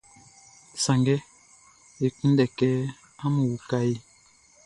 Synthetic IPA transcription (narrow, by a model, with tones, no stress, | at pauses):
sa˨ŋɡɛ˦ | e˨ku˦n˦dɛ˨kɛ˦ | a˦mu˨wu˨ka˦ji˦